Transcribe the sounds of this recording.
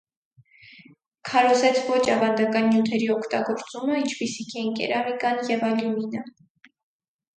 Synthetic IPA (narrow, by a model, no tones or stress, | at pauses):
kʰɑɾɔzɛt͡sʰvɔt͡ʃʰɑvɑnd̪ɑkɑnjut̪ʰɛɾiɔkʰt̪ɑɡɔɾt͡suməint͡ʃʰpisikʰɛŋkɛ̰ɾɑmikɑnjɛvɑljuminə